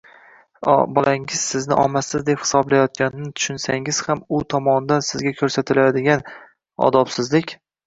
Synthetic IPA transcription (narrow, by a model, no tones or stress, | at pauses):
bɒlʔaŋɪz̥sɪznɪʔɒ̰masɪzd̪e̞phɪ̥sɒblajɒt̪̚ɡʲanɪnɪt̪ʰʊ̥ʃʊnsaŋɪz̥hamʊt̪ʰɒmɒnd̪ansɪzɡʲakʲʰɵɾsat̪ʰɪlajad̪ɪɡʲan | ɒ̰d̪ɒpsɪzlɪkʲ